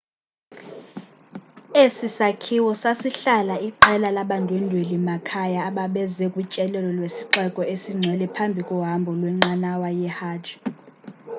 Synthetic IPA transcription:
esisakʰiwɔsasiɬalaiǃɛlalaɓantʼwendʱwelimakʰajaːɓaɓɛzɛkʼut͡ʃʼɛlɛlɔlwesiǃɛkʼɔesiŋ͡ǀʱɛlɛpʰambʱikʼɔɦambʱɔlwɛŋ͡ǁanawajɛhaːdʒ̥ʱi

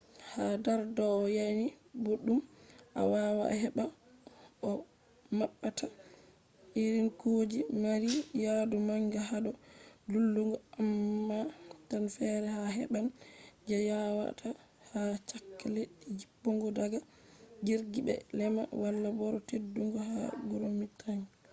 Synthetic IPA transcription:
hadaɾdɔːjajniboɗːumʔa̰wawa̰hɛɓa | ʔɔ | maɓːatʰa | ʔiɾinkod͡ʒimaɾijadumaŋɡaɦaɗɔlulːuŋɡɔamːatanfɛɾɛhaɦɛ̰ɓand͡ʒɛjawa̰tʰa | hat͡ʃakːalɛd͡ʒibːɔŋɡɔdaɡa | ɡiɾɡibɛ̰lɛma̰walːabɔɾɔtedːuŋɡɔɦaɡuɾomitʰaɲ

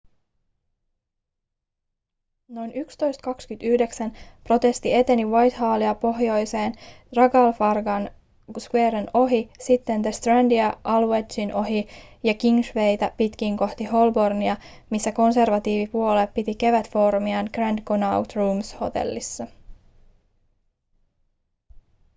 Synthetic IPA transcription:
no̞jnykst̪o̞jst̪̚kɑkskyt̪yhde̞ksænpro̞t̪e̞st̪ie̞t̪e̞niʋɑjt̪ɦɑːliɑpo̞ɦjo̞jse̞ːn | rɑɡɑlfɑrɡɑn | skweːɾeno̞ɦisit̪ːe̞nd̪est̪rændiɑʔɑluwet͡ʃinʔo̞ɦijɑkiŋʃʋe̞jt̪æpit̪k̟iːŋko̞ht̪iho̞lbo̞rniɑ | misːæko̞nse̞rʋɑt̪iːʋipuo̞lepːit̪ike̞ʋæt̪fo̞rmiɑnɡ̥rænd̪konɑwt̪ruːmsho̞̰t̪e̞̰lːisːɑ

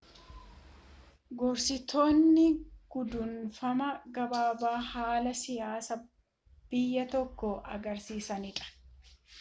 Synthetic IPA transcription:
ɡɔɾsɪt̪ʰoːnːɪɡ̥ʊd̪ʊnfɐmɐɡɐbaːbaːhaːlɐsɪjaːsɐ | b̥ɪjːɐt̪ɔkːɔʔɐ̰ɡɐɾsiːsɐnɪᶑʼɐ̥

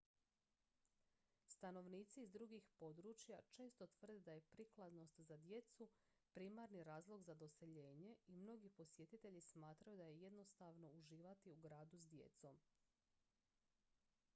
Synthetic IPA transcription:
st̪ano̞ʋniːt̪siːzd̪ɾuɡixpo̞d̪ɾut͡ʃjat͡ʃe̞ːst̪o̞t̪ʋr̩d̪ed̪aje̞pɾiklˠad̪no̞st̪zad̪je̞t̪su | pɾiːmaɾniɾaːzlˠo̞ɡzad̪o̞se̞ʎe̞ːɲe̞imno̞ɡipo̞sjet̪it̪e̞ʎismaːt̪ɾajud̪ajeje̞d̪no̞st̪aʋno̞uʒiːʋat̪iuɡɾaːd̪usd̪je̞̰t̪so̞m

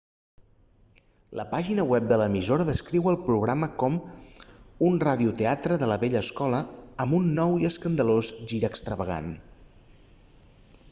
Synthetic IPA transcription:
lə̰paʒinəwɛp̚d̪ələːmizoɾəðəskɾiwəlˠpɾuɣ̞ɾaməkɔm | unraðiut̪eat̪ɾəðələβɛʎəːskɔləəmbunːɔwiəskənd̪əlozʒiɾəːkst̪ɾəβəɣ̞a̰n

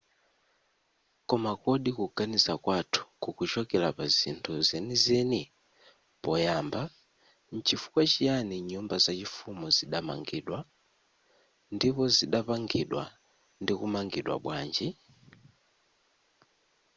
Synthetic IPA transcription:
kɔmakɔɗikuɡanizakwatʰu̥kukut͡ʃɔkɛlapazḭntʰuzɛnizɛni | pɔjaːmba | n̩t͡ʃʰifu̥kwat͡ʃijaniɲumbazat͡ʃifumɔziɗama̰ŋɡiːɗwa | ndipɔziɗapaŋɡiɗwa̰ | ndikumaŋɡiɗwa̰ɓwaːnd͡ʒi

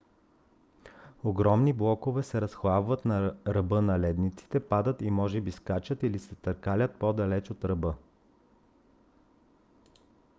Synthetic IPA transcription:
oɡɾɔmniblˠɔkovɛsɛɾɐsxlˠabvət̪nɐɾɐbɤnɐlɛd̪nit̪si̥t̪ɛpad̪ət̪imɔʒɛbiskat͡ʃət̪ilisɛt̪əɾkalʲət̪̚pod̪ɐlɛt͡ʃot̪ɾɐbɤ

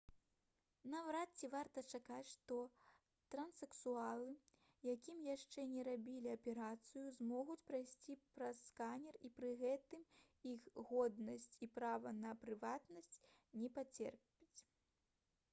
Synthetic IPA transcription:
nɐvɾat͡sʲːivart̪ɐt͡ʂakat͡sʲʂt̪ɔ | t̪ɾɐnsɛksualˠɨ | jakʲimjaʂt͡ʂɛnʲɛɾabʲilʲiɐpʲɛɾat̪sɨjuzmɔɣut͡sʲpɾajsʲt͡sʲipɾɐsːkanʲɛripɾɨɣɛt̪ɨm | ixɣɔd̪nɐsʲt͡sʲipɾavɐnɐpɾɨvat̪nɐsʲt͡sʲnʲɛpat͡sʲɛ̰rpʲit͡sʲ

